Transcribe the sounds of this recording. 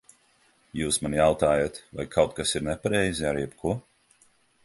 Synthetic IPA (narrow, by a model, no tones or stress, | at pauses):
juːsmanjawt̪aːjat̪vajkʰawt̪̚kasiɾnɛpaɾɛjziaɾjɛpkʰu